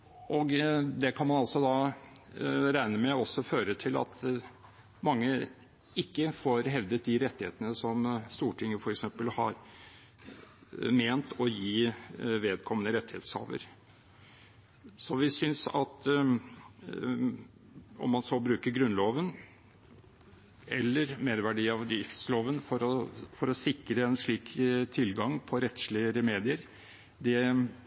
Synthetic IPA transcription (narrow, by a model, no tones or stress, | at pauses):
ʔɔɡd̪ɛkʰɑnmɑnɑlsɔd̪ɑ | ɾæɪnəmɛɔsːɔføːɾət̪ʰɪlɑ̰t̪ʰ | mɑŋːə | ɪkːəfɔɾɦɛʋd̪ət̪̚d̪ɪɾɛt̪ːɪheːt̪ənəsɔmst̪uːʈʰɪŋːəfɔɾɛksɛmpəlhɑɾ | meːnt̪ʰɔjiːʋeːd̪kʰɔmːənəɾɛt̪ːɪhḛːt̪shɑ̰ːʋə̰ɾ | sɔʋɪsʏnsɑ̰t̪ | ɔ̰mːɑnsɔlbɾʉːkəɾɡɾʉnloːʋən | ʔɛlːəɾmeːɾʋæɖiːɑʋd̪ɾɪft̪sloːʋənfɔɾɔfɔɾɔsɪkɾəɛnʂɭiːkt̪ʰɪlɡɑŋpʰɔɾɛt̪ːʂɭɪəɾəmeːd̪ɪəɾ | d̪ɛ